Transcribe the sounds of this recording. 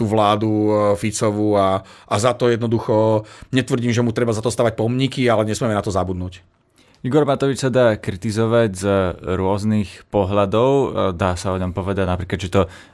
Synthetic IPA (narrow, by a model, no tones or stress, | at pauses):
t̪uːʋlaːd̪ufit͡sɔʋuaʔazat̪ɔjɛd̪nɔd̪uxɔɲɛt̪ʋr̩ɟiːmʒɛmut̪ɾɛbazat̪ɔst̪aːʋac̚pɔmɲikialɛɲɛsmiɛmɛnat̪ɔzabud̪nuc | iɡɔɾmat̪ɔʋit͡ʃsad̪aːkɾit̪izɔʋaɟzɾʊɔznixpɔɦlad̪ɔʊd̪aːsaɔɲɔmpɔʋɛd̪aɟnapɾiːklad̪t͡ʃɛt̪ɔ